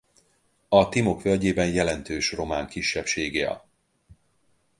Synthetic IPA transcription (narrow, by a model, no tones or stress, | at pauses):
ɒt̪imo̞kfølɟeːbɛnjɛlɛnt̪øːʃro̞maːŋkiʃːɛpʃeːɡeːɒ̰